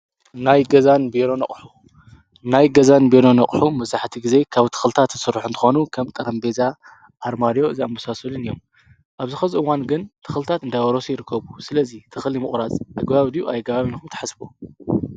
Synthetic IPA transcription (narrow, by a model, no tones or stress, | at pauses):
najɡɐzanbeɾonɐkʼħu | najɡɐzanbelonɐχʼħumɐβzaħt̪ʰiɡize̞kʰaβt̪ʰɨ̥xɨlt̪ʰat̪ːɨsɨrːħunt̪ʰɨ̥xo̞nukʰɐmt̪ʼɐɾɐmbeza | ʔːɾmaɾijo̞ɨziambusasɐlɨnijːom | ʔaβzɨxɐziɨwanɡɨnt̪ʰɨxɨlt̪ʰat̪ɨnd̪ajwɐɾo̞sijɪɾɨkʰːɐβusɨlɐzit̪ʰɨxlimɨχʼɾazʔaɡbaβd̪ijuʔajɡɐβaβinkʰumt̪ʰɐ̥ħasbu